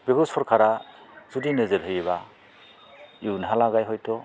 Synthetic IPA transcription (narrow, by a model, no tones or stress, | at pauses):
beɡuspʰɔɾkʰaɾazudinɯzɯɾɦɯjeβa | iwnɦalaɡajɦɔjtʰɔ